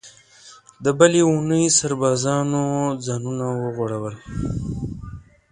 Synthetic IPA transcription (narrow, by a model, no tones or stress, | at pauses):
d̪əbəleunəjsaɾbɑːzɑnod͡zɑːnunawəɣoɽawəl